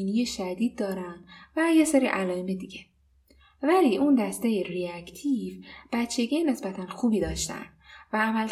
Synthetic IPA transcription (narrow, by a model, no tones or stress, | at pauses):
inijeʃæd̪iːd̪̚ːɒːɾænd̪̥væjeseɾiːʔælɒːemed̪iɟe | væliːʔund̪æst̪ejeriækt̪ʰivb̥æt̪t͡ʃʰːe̞ɡejene̞sbæt̪ʰænxuːbiːd̪ɒːʃt̪æ̰nd̪væːmæl